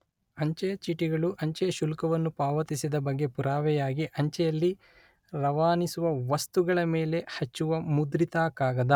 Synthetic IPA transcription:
ɐɲt͡ʃɛjɐt͡ʃiʈiɡɐɭuʔɐɲt͡ʃɛɐʃulkɐʋɐnːupaːʋɐt̪isid̪ɐbɐɡːe̞puɾaːʋɛjaːɡiʔɐɲt͡ʃɛjɐlːi | ɾɐʋaːnisuʋɐʋɐst̪uɡɐɭɐmeːle̞hɐt͡ʃːuʋɐmud̪ɾit̪aːkaːɡɐd̪ɐ

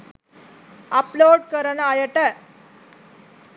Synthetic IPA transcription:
ɐploːɖ̚kɐɾɐnaːjɐʈːɐ

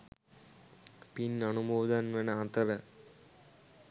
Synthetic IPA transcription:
pinːɐnuboːd̪ɐnʋɐnɐant̪ɐɾɐ

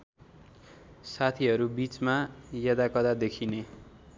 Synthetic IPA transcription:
sat̪ʰiɦʌɾubit͡smajʌd̪akʌd̪ad̪ekʰine

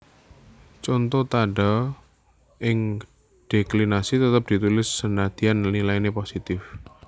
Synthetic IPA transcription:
t͡ʃɔnt̪ɔt̪aɖa | ʔɪŋ | ɖ̥eklinasit̪ət̪əp̚d̪̥i̤t̪ulɪsːənad̪̥i̤anlilaineposit̪ɪf

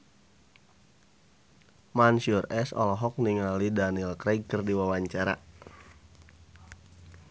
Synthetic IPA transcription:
mansiurɛsɔ̰lɔɦɔk̚niŋalidanilkɾɛɡ̚kɨrdiwawaɲt͡ʃaɾa̰

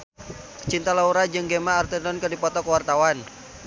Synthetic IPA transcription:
kə̥t͡ʃint̪alauɾad͡ʒɨŋɡemaːrt̪ɛdɔnkədipɔt̪ɔkəwart̪awan

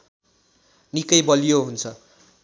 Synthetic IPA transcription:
nikʌjbʌlijoɦunt͡sʰʌ

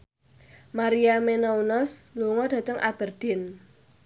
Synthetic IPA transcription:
maɾiamenaunɔsluŋɔd̥ä̤t̪əŋʔa̰b̥ə̤rd̪̥ɪ̤n

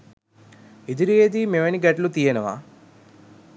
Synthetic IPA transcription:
id̪iɾieːd̪imeʋɐniɡɐʈlut̪ijɐnɐʋa̰ː

